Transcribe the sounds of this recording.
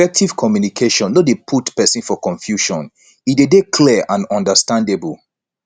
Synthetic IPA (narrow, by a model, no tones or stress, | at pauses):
ɛk̚tiv̥kʰɔmjunikʰeʃɔ̃nːɔdepʰutpɛsĩnfɔkɔ̃ɱfjuʃɔ̰̃n | idedekʰliʔãnɔ̃ndəstãndebul